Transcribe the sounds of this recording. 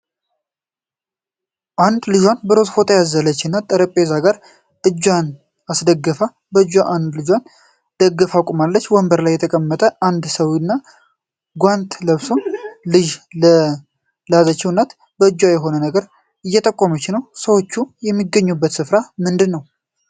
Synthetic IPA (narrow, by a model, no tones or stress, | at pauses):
ʔand̪lɨʒwanbəɾozfo̞t̪ʰəjazələt͡ʃːɨnːat̪ʼːəɾəpʼezaɡaɾ | ʔɨd͡ʒːwan | asd̪əɡːəfa | bəɨd͡ʒwaʔand̪lɨd͡ʒwan | d̪̥əɡːəfakʼumalːət͡ʃːwɔmbəɾlajːɛt̪ʰəkʼəmːət̪ʼəʔand̪səwnːa | ɡʷant̪ləβsonlɨʒlə | lazət͡ʃːɛwnːat̪ | bəɨd͡ʒwajɛɦo̞nənəɡəɾ | ɨjːɛt̪ʼəkʼːomət͡ʃːnəwsəwo̞t͡ʃːujɛmːiɡəɲːubːət̪sɨfɾamɨnd̪ɨnːəw